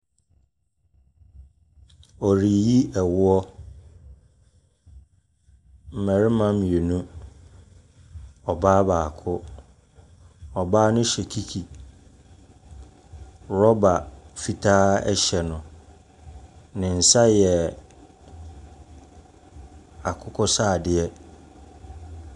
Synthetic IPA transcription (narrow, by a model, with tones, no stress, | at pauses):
ɔ˨ɾi˨ji˦ʔɛ˨wʊ˦ɔ˦ | m̩˨mɛ̃˨ɾɪ˦mã˦m˨e˨nũ˦ | ɔ˨baː˦baː˨kʰʊ˦ | ɔ˨baː˦nʊ̃˦ɕɛ˨kʰi˦kʰi˨ | ɾɔ˦ba˨fi˨tʰaː˦ɛ̰˦ɕɛ˨nʊ̃˨ | nɪ̃˨n̩˨sa˦jɛ˨ | a˨kʰʊ˦kʰʊ˦saː˦˨dɪ˨ɛ˦